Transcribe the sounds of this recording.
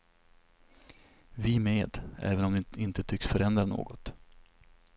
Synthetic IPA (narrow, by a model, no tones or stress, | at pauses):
vɪmeːd̪ɛ̰ːvənɔmd̪ɪnt̪ət̪ʰʏksfœɾɛnd̪ɾano̰ːɡɔt̪